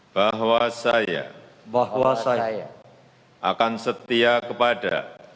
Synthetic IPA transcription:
b̥aɦwasaja̰ | bahwasaja | ʔa̰kansət̪iakəpada̰

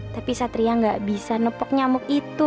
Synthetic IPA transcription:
t̪apisat̪ɾiaŋɡaʔbisanəpɔk̚ɲamʊkit̪u

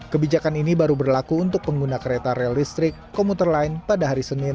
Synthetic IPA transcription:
kəbid͡ʒakaninibaɾubərlakuːnt̪ʊk̚pəŋɡunakəɾet̪aɾɛaldist̪ɾɪkːɔmut̪ərlaɪnpadaɦaɾisənɪn

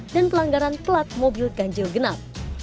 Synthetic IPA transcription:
danpəlaŋɡaɾant̪əlat̪̚mobilɡaɲd͡ʒilɡənap

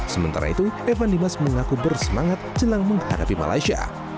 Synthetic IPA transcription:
səmənt̪a̰ɾa̰it̪uefandimasməŋakubərsəmaŋat̪̚d͡ʒəlaŋməŋhadapima̰la̰isia̰

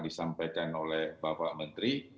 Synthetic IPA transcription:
disampajkanolɛhbapaʔmənt̪ɾi

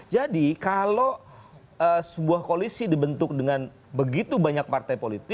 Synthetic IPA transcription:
d͡ʒadikalo | əsəbuahkolisidibənt̪ʊk̚dəŋan | bəɡit̪ubaɲak̚part̪ajpolit̪ɪ

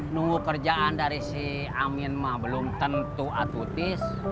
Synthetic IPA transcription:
nuŋukərd͡ʒaʔandaɾisi | aminmabəlʊmt̪ənt̪uat̪ut̪ɪs

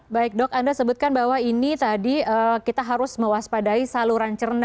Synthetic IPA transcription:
baɪk̚dɔkandasəbʊt̪̚kanbaɦwainit̪adiəːkit̪aɦaɾʊsməwaspadaisaluɾant͡ʃərna

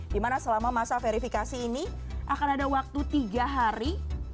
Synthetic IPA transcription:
dimanasəlamamasafeɾifikasiːni | ʔakanadawak̚t̪ut̪iɡaɦaɾi

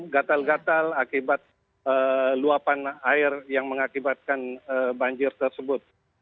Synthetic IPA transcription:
ɡat̪alɡat̪alakibat̪̚ | əluapanaɪrjaŋməŋakibat̪̚kanəbaɲd͡ʒɪrt̪ərsəbʊt̪̚

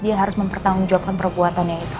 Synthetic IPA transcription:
diaɦaɾʊsməmpərt̪aŋʊnd͡ʒuap̚kanpərbuat̪anjait̪u̥

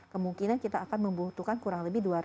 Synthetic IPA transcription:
kəmuŋkinankit̪aːkanməmbut̪ukankuɾaŋləbɪhduaɾ

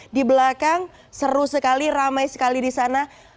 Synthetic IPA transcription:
dibəlakaŋ | səɾusəkaliramajsə̥kalidisana

